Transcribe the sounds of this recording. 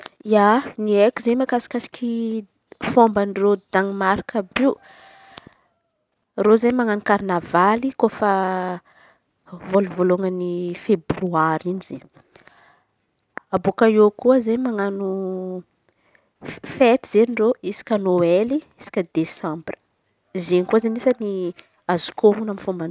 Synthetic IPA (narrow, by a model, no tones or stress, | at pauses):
ianiekuzemakasi̥kʲasi̥kʰʲi | fombanrod̪aŋmaɾkabi | rozeɲmaŋanukaɾnavalikofə | voluvoluŋənifebryaɾinize | abokaekuəzeɲmaŋanu | fet̪iz̥eniroisi̥kʲənoeliisi̥kʲəd̪esãmbrə̥ | zenkuazenisəni | azu̥komunamfomban